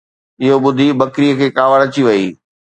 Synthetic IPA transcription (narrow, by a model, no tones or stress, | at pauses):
ɪɦoɓʊd̪ʱibɐkɾijəkʰeːkaːʋəɽɐt͡ɕiʋɐiː